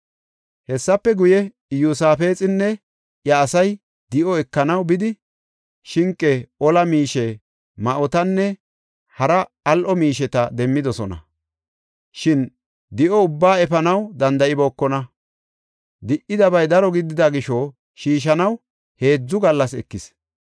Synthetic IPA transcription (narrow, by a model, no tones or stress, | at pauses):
hɛsːɐpːɛɡʊjɛ | jusaːfe̞ːt͡sʼɪnːɛ | jɐːsɐj | d̪ɪʔɔɛkːɐnɐwbɪd̪ɪ | ʃɪŋkʼːɛʔɔlɐmiːʃɛ | mɐʔɔt̪ɐnːɛ | hɐɾɐ | ɐlʔɔmiːʃɛt̪ɐd̪ɛmːɪd̪ɔsɔnɐ̰ | ʃɪn | d̪ɪʔɔʊbːaːɛfɐnɐwd̪ɐnd̪ɐɪboːkːɔnɐ | d̪ɪʔɪd̪ɐbɐjd̪ɐɾɔɡɪd̪ɪd̪ɐɡɪʃɔ | ʃiːʃ̬ɐnɐw | he̞ːd͡zːʊɡɐlːɐsɛkːɪs